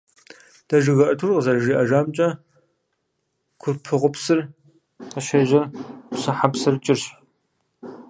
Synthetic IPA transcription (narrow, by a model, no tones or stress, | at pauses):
d̥ɐʒɪɣɐʔɐtʰurqəzɐrʒiːʔɐʒaːmt͡ʃʼɐ | kʷʰʊrpʰɨʁʷʊpsɨr | qəɕeʑɐrpsɐħapsɨrt͡ʃʼɪrɕ